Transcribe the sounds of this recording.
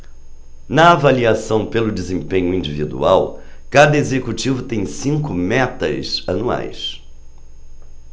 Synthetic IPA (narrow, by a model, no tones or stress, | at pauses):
nɐavaliasɐ̃w̃pelʊd͡ʒɪzẽpẽɲʊĩd͡ʒivid̪ṵa̰w | kad̪ɐezekut͡ʃivʊt̪ẽj̃sĩŋkʊmɛt̪ɐ̰zɐnua̰js